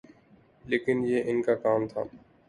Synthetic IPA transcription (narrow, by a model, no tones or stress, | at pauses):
leːkɪnjeːʔɪnkakaːmt̪ʰa̰ː